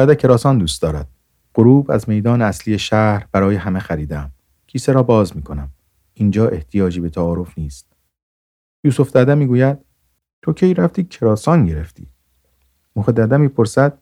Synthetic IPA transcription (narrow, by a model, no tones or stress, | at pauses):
æd̪æcʰe̞ɾɒːsɒːnd̪uːst̪ɒːɾæ̰d̪̥̚ | ɢ̥oɾuːbæ̰zme̞jd̪ɒːneæslije̞ʃæːhhɾb̥æɾɒːjeɦæmexæɾiːd̪eæm | cʰiːseɾɒːbɒːzmiːkʰo̞næm | ind͡ʒɒːʔe̞ht̪ʰijɒːd͡ʒiːbe̞t̪ʰæɒːɾo̞fniːst̪̚ | juːsofd̪æd̪æmiːɡuːjæd̪̥̚ | t̪ʰocʰejɾæft̪iːcʰe̞ɾɒːsɒːnɟe̞ɾe̞ft̪ʰḭː | moxed̪æd̪æmiːpʰo̞ɾsæd̪̥̚